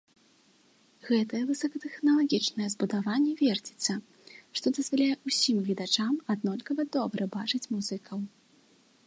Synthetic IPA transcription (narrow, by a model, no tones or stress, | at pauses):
ɣɛt̪ɐjɛvɨsɐkɐt̪ɛxnɐlˠaɣʲit͡ʂnɐjɛzbud̪avanʲːɛvʲɛrd͡zʲi̥t̪sɐ | ʂt̪ɔd̪ɐzvalʲajɛʔusʲimvʲid̪at͡ʂamad̪nɔlʲkɐvɐd̪ɔbɾɐbat͡ʂɨt͡sʲmuzɨkʰɐw